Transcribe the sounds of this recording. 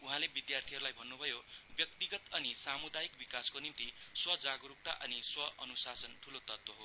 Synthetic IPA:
uɦãlebid̪jart̪ʰiɦʌɾulajbʱʌnːubʱʌjobjʌkt̪iɡʌt̪ʌnisamud̪ajikbikaskonimt̪iswʌd͡zaɡɾup̚t̪a̰ʔʌniswʌʌnusasʌnʈʰulot̪ʌt̪woɦo

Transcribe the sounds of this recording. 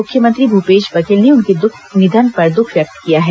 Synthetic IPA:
ʊkʰjəmə̃nt̪ɾibʱupeːʃʋɐkelneʊnked̪ʊkʰnɪd̪ʱənpɐɾd̪ʊkʰʋjɐk̚t̪kijaɦɛː

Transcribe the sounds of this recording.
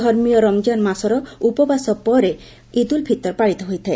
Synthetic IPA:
ɔɾmijɔɾɔmd͡ʒanmasɔɾɔupɔbasɔpɔɾe | id̪ulbʱit̪ɔɾpaɽit̪ɔɦojt̪ʰae

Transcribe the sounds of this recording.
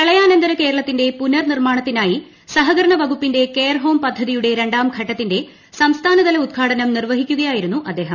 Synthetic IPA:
kɐɭɐjaːnɐnd̪ɐɾɐke̞ːɾɐɭɐt̪ːinde̞punɐrnirmaːɳɐt̪ːinaːji | sɐɦɐɡɐɾɐɳɐʋɐɡupːinde̞kejrɦo̞ːmpɐd̪ʱːɐðijuɽe̞ɾe̞ɳɖaːmɡʱɐʈːɐt̪ːinde̞ | sɐmst̪ʰaːnɐd̪ɐlɐud̪̚ɡʰʱaːɽɐnɐmnirʋɐɦikʲːuɣɐjaːjiɾun̪ːuʔɐd̪ːe̞ːɦɐm

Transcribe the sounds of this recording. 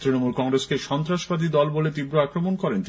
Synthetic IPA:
t̪ɾinomulkɔŋɾeskeʃɔnt̪ɾaʃbad̪id̪ɔlbolet̪ibɾoakɾomonkɔɾent̪i

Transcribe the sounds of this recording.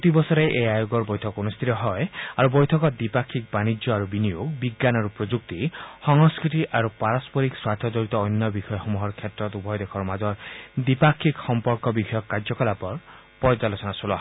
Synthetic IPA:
kɔt̪ibɔsɔɾeʔejajoɡɔɾbɔjt̪ʰɔkunust̪ʰit̪ɔɦɔeaɾubɔjt̪ʰɔkɔd̪ipakʰːik̚banid͡ʒjɔaɾubinijoɡbiɡːanaɾupɾod͡ʒuk̚t̪ihɔŋɔskɾiʈiʔaɾupaɾɔspɔɾikswaɾt̪ʰɔd͡ʒɔɾit̪ɔːjnːjɔbixʰɔjɔxumuɦɔɾkʰjet̪ɾɔt̪ubʱɔjd̪ekʰɔɾmad͡ʒɔɾd̪ipakʰːikhɔmpɔɾkɔbikʰɔjɔkːaɾd͡ʒɔkɔlapɔɾ | pɔjd͡ʒalosɔnasulɔɦ

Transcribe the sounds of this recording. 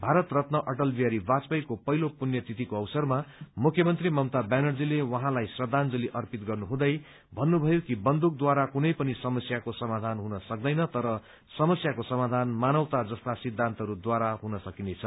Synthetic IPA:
bʱaɾʌt̪rʌt̪nʌʔʌʈʌlbiaɾibat͡spʌjkopʌɦilopunjʌt̪it̪ikoʌwsʌrmamukʰjʌmʌnt̪rimʌmt̪abanʌrd͡zilewʌɦãlajsrʌd̪ʱand͡zʌliʔʌrpit̪ɡʌrnuɦũd̪ʌj | bʱʌnːubʱʌjokibʌnd̪uk̚d̪waɾakunʌjpʌnisʌmʌsjakosʌmad̪ʱanɦunʌsʌk̚d̪ʌjnʌt̪ʌɾʌ | sʌmʌsjakosʌmad̪ʱanmanʌwt̪ad͡zʌst̪asid̪ʱːant̪ʌɾud̪waɾaɦunʌsʌkinet͡sʰʌ

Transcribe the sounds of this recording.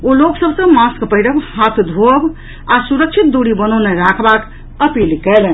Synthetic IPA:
oloksəbʱsə̃maskpəɦiɾəbhat̪ʰd̪ʱob | asuɾək̚t͡ʃʰit̪̚d̪oɽibənəneɾakʰbak | əpilkɛlɛn

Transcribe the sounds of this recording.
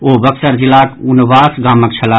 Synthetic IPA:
oːbɐksəɾd͡ʒilaːkunʋaːsɡaːmək̚t͡ʃʰɐlaː

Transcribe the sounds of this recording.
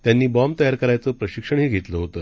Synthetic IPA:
t̪janːiːbɔmt̪əjaɾkəɾajt͡səːpɾəɕikʂəɳ̃ɦiːɡʱet̪ləɦot̪əː

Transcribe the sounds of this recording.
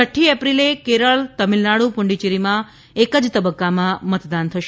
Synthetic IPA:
səʈʰːiepɾilekeɾəɭt̪əmilnaɽupuɳɖit͡ʃiɾimã | ekəd͡ʒt̪əbəkːamãmət̪d̪ant̪ʰəʃe

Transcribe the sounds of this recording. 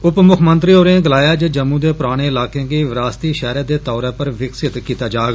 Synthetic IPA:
ʊpmʊkʰmə̃nt̪ɾiːoːɾẽɡəlaːjaːd͡ʒəd͡ʒəmːũːd̪eːpʊɾaːɽ̃eːɪlaːkẽːkiːʋɪɾaːst̪iːʃɛːɾeːd̪eːt̪ɔːɾeːpəɾʋɪksɪt̪kiːt̪aːd͡ʒaːɡ

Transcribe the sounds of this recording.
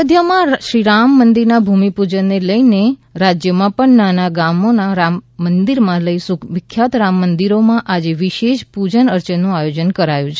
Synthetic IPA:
əd̪ʱjəmãʃɾiɾamːənd̪iɾnabʱumipud͡ʒənːeləineɾad͡ʒjəmãpəɳnanaɡamonaɾamːənd̪iɾmãləisʊkʰʋɪkʰːjat̪ɾamːənd̪iɾomãʔad͡ʒeʋiʃeʃpud͡ʒənəɾt͡ʃənːũajod͡ʒənkəɾajũt͡ʃʰe

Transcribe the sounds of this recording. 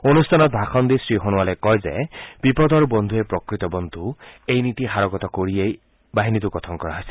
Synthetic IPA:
onustʰanɔt̪̚bʱaxɔnd̪isɹiɦonuwalɔjkɔjzḛbipɔd̪ʱɔɹubɔnd̪ʱuepɹɔkɹit̪ɔbɔnd̪ʱuejnit̪ixaɹɔɡɔt̪ɔkoɹiej | baɦinit̪uɡɔt̪ʰɔnkɔɹa̰ɦɔjsi̥

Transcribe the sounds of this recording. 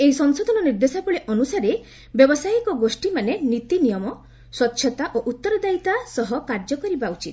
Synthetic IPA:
eɦisɔŋsod̪ʱɔnɔniɾd̪esapɔɭeʔɔnusaɾe | bjɔbɔsaikɔɡosʈimanenit̪inijɔmɔ | swɔt̪ːʃʰɔt̪aʔoʔut̪ːɔɾɔd̪ait̪asɔɦɔkaɾd͡ʒɔkɔɾibaut͡ʃit̪

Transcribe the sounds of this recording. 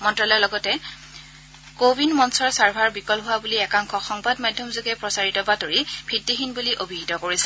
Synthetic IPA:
mɔntɹɔlɔlɔɡɔtɛ | kobinmɔnsɔɹsaɹbʱaɹbikɔlɦʊwabuliɛkaŋkʰɔxɔŋbadmadʱjɔmzoɡɛpɹɔsaɹitɔbatoɹibʱitːiɦinbuliʔobʱiɦitɔkoɹisɛ̥

